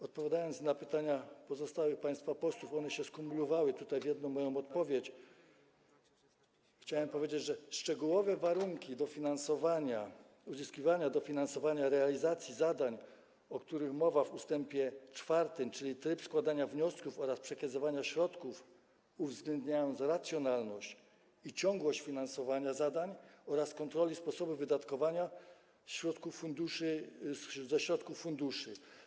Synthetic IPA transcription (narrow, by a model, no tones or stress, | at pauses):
ɔt̪̚pɔvʲjad̪ajɔnt̪snapɘt̪aɲapɔzɔst̪awɘxpaj̃st̪fapɔswufɔnɛɕɛskumulɔvawɘt̪ut̪ajvʲjɛd̪nɔ̃mːɔjɔ̃w̃ɔt̪̚pɔvʲjet͡ɕ | xt͡ɕawɛmpɔvʲjed͡ʑed͡ʑʐɛʂt͡ʂɛɡuwɔvɛvaɾuŋkʲid̪ɔfʲinansɔvaɲa | uzɘskʲivaɲad̪ɔfʲinansɔvaɲaɾɛalʲizat̪sʲjizad̪aɲ | ɔkt̪uɾɘxmɔvavust̪ɛmpʲjɛt͡ʂfaɾt̪ɘmt͡ʂɘlʲit̪ɾɘpskwad̪aɲavɲɔskufɔɾaspʂɛkazɔvaɲaɕɾɔt̪kuf | uvzɡlɛnd̪ɲajɔ̃nt̪sɾat̪sʲjɔnalnɔɕt͡ɕ | it͡ɕɔ̃ŋɡwɔɕt͡ɕfʲinansɔvaɲazad̪aɲɔɾaskɔnt̪ɾɔlʲispɔsɔbuvɘd̪at̪kɔvaɲa | ɕɾɔt̪kufːund̪uʂɘ | zɛɕɾɔt̪kufːund̪uʂɘ